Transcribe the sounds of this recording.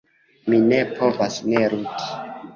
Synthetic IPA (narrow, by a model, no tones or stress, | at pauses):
mine̞pʰo̞vasneɾuti̥